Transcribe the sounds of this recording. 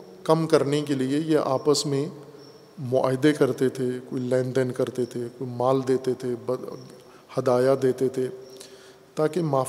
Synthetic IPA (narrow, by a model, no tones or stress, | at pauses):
kɐmkɐɾnekeliejeʔa̰ːpəsmẽ | mʊa̰ːɦɪd̪ekɐɾt̪et̪ʰekoːilɛ̃ːɳɖənkɐɾt̪et̪ʰekoːimaːld̪eːt̪et̪ʰeb | hɐd̪aːjad̪eːt̪et̪ʰeː | t̪aːkemaː